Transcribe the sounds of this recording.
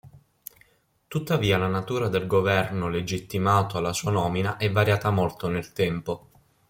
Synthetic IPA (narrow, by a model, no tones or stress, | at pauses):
t̪ut̪ːaviːalanat̪uːɾad̪elɡovɛrnoled͡ʒit̪ːimaːt̪oalːasuːanɔːminaʔɛvːaɾjaːt̪amolt̪onelt̪ɛmpo